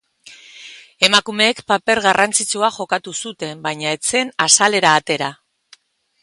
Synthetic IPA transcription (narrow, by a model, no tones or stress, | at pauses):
e̞makume̞ːkpape̞ɾɣarant͡sit͡suaʝo̞kat̪usut̪e̞mbaɲae̞t͡se̞nasale̞ɾaːt̪e̞ɾa